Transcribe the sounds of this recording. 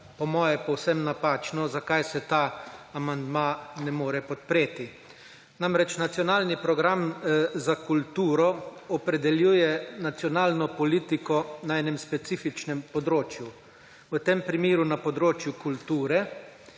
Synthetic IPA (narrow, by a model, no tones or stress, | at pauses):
pɔmɔːjɛpɔwsɛmnapaːt͡ʃnɔzakajsɛt̪aːamand̪manɛmoːɾɛpɔt̪̚pɾeːt̪i | namɾɛt͡ʃnat̪sijɔnaːlnipɾɔɡɾamzakult̪uːɾɔɔpɾɛd̪ɛljuːjɛnat̪sjɔnaːlnɔpɔliːt̪ikɔnaɛːnɛmspɛt̪siːfit͡ʃnɛmpɔd̪ɾoːt͡ʃju | wət̪empɾimiːɾunapɔd̪ɾoːt͡ʃjukult̪uːɾɛ